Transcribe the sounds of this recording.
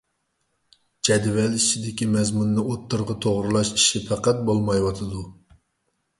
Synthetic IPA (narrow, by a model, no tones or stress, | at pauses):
d͡ʒɛd̪vɛlit͡ʃʰid̪ɪkʲimɛzmunːɨot̪ːɨɾʁət̪ʰoʁɾɨlˠɑʃi̥ʃipʰæqæt̪̚bolˠmɑjwɑt̪ʰɨd̪u